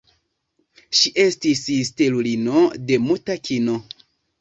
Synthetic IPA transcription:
ʃiʔe̞stisistelulino̞de̞mutakino̞

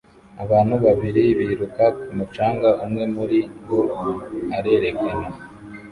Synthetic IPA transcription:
aβaːnhuβaβiɾiβiːɾukakumut͡ʃaːŋɡaʔumŋe̞muɾiɡoaɾe̞ːɾe̞kana

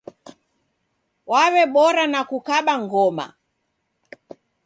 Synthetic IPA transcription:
wawɛɓɔɾanakukaɓaŋɡɔma̰

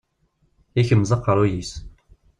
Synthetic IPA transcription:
içəmzˤəqːəɾˤujis

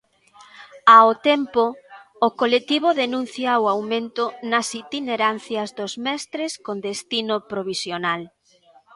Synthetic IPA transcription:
aot̪ɛmpoː | kolet̪iβ̞oðenũn̟θjaoawmẽnt̪ʊnɐsit̪ineɾan̟θjɐzðozmɛst̪ɾeskõnd̪est̪inopɾoβisjonal

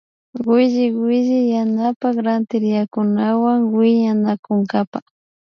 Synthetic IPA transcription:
ɢɪʒɪwwɪʒɪjanapakɾant̪ɪɾjakʊnawaŋwɪɲanakʊŋɡapa

